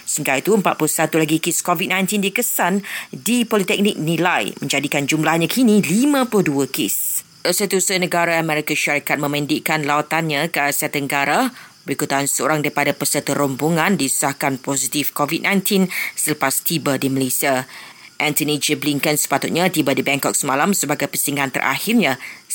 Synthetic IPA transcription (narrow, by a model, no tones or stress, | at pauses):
səmt̪aɾit̪uəmpat̪̚plusat̪ulaɡikeskovit̪̚nãj̃nt̪indikəsandipɔlit̪ɛk̚nik̚nĩlajmə̃ɲd͡ʒadikand͡ʒumlahɲãkʰinĩlimãpluduəkḛs | əsit̪usənə̃ɡaɾaəmɛɾikaʃaɾikat̪̚mə̃mə̃ndiʔkanlawat̪anɲãkəasat̪əŋɡaɾabəɾikut̪ansəo̰ɾaŋdaɾipadapəsət̪əɾombuŋãndisu̥sahkanpɔzit̪ifkovit̚nãjnt̪ʰinsələpast̪ibadiməlesia | ʔɛ̃nt̪ənid͡ʒəbliŋkənsə̥pat̪ut̪̚ɲãt̪ibadibɛŋkɔk̚səmalamsəbaɡajpəsiŋant̪ə̰ɾʔa̰hirɲã